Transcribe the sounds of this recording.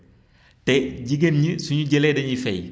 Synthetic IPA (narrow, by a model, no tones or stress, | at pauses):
tɛɟiɡenɲisuɲuɟɛlɛdɐɲifɛj